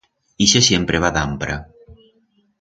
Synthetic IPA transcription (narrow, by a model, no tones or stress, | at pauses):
iʃesjempɾeβaðampɾa